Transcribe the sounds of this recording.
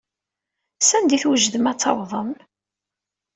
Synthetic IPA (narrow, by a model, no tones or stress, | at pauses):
sænd̪iθwəʒðəmæt͡sːɑ̰wðˤəm